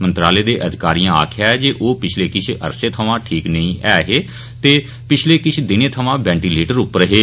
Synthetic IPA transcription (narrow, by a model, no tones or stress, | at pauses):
mə̃nt̪ɾaːleːd̪eːʔəd̪ʱɪkaːɾijãːa̰ːkʰjaːɛːd͡ʒeːʔoːpɪt͡ʃʰleːkɪt͡ʃʰə̰ɾseːt̪ʰəʋãːʈʰiːknəĩːʔɛːɦeː | t̪eː | pɪt͡ʃʰleːkɪt͡ʃʰd̪ɪnẽːt̪ʰəʋãːbɛ̃ːɳʈiːleːʈəɾʊpɾəɦeː